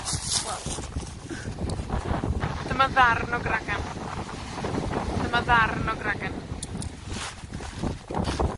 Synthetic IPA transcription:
wɛlˠ | dəmaðarnɔɡraɡan | dəmaðarnɔɡraɡan

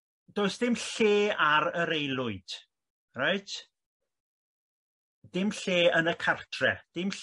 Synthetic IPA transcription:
d̥oːɨsd̥ɪmɬeːaɾəɾejlˠʊɨd̥ | rajtʰ | d̥ɪmɬeːənəkʰartʰrɛ̰d̥ɪmɬ

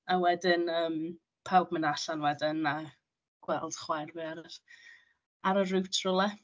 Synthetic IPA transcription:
awɛdɪnəːm | pʰawbmənaɬanwɛdɪna | ɡ̥wɛlˠd̥χwajrviaɾə | aɾərʉwtʰrʊlˠɛ

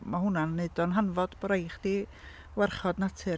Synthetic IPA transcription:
mahʊnanːedɔnɦanvɔd̥bɔɾajχd̥i | wɛrχɔdnatʰɨ

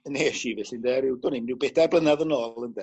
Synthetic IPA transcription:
neːʃivɛɬɪndɛɾɪwdɔnimnɪwbɛdarblənaðənoːlˠəndɛ

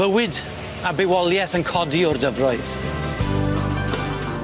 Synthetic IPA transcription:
əwɪd | abewɔlˠjɛθənkʰɔdiʊrdəvrɔɨθ

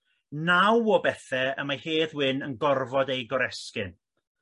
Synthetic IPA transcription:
nawɔbɛθɛəmaheːðwɪnənɡɔrvɔdejɡɔɾɛskɪn

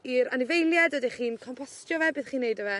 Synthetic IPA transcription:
iɾanɪvejlˠjadədɛχiːnkʰɔmpʰɔstjɔvɛbɨːðχiːnːejdəvɛ

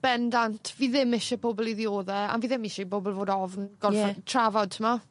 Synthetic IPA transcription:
b̥ɛndantʰviːðɪmɪʃɛboːbɔlˠiðioːðɛa̰nviːðɪmɪʃɛboːbɔlˠvoːdɔvnɡ̥ɔnɛtʰravɔd̚tʰəma

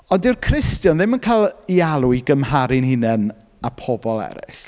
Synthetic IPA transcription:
ɔndɪrkʰrɪstjɔnðɪmənkʰajlˠialˠʊiɡəmɦaɾɪnhɪnɛn | apʰɔbɔlˠɛ̰ɾɪ̰ɬ

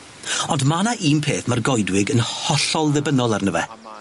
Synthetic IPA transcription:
ɔndmanaʔiːmpʰeːθmarɡɔjdwɪɡənhɔɬɔlˠðɛbənɔlˠarnəvɛ̰

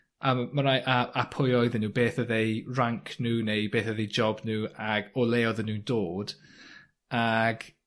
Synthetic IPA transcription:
ammənaʔaapʰʊjɔjðənːuːbeːθəðejraŋkʰnuːnejbeːθəðejd͡ʒɔbnuːaɡɔlˠeːɔðənuːdoːd̥ | aɡ̥

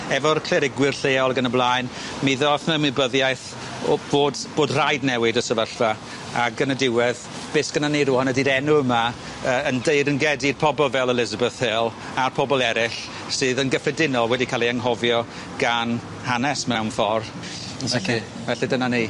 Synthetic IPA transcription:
ɛvɔrkʰlɛɾɪɡwɪrɬeːɔlˠɡənəblˠaːjn | miðɔθnəmɪbəðjajθ | b̥oːdb̥oːdrajdnɛwɪdəsəvəɬva | aɡənədɪwɛð | b̥eːsɡ̥ənaniːɾuːhɔnədiɾɛnʊəma | əːəndejdənɡɛdirpʰɔbɔlˠvɛlˠəlɪzəbəθhelˠ | arpʰɔbɔlˠɛɾɪɬ | sɨːðənɡəfɛdɪnɔlˠwɛdikʰaːlˠiaŋɦɔvjɔ | ɡ̥an | hanɛsmɛwnfɔr | ɛ | vɛɬidənaniː

